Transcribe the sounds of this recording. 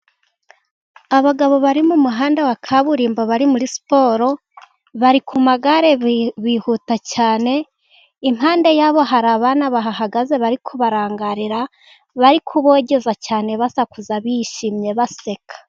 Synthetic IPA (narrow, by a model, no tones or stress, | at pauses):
aβaɡaβo̞βaɾimumuɦaːndawakʰaβuɾiːmboβaɾimuɾisi̥po̞ːɾo̞ | βaɾikumaɡaɾe̞βihutacaːne̞ | imɦaːnde̞jaːβo̞ɦaɾaβanaβaɦaɦaɡaze̞βaɾikʰuβaɾaːŋɡaɾiɾa | βaɾikʰuβo̞ːɟe̞zacaːne̞βasakuzaβiʃimɲe̞βase̞kʰḁ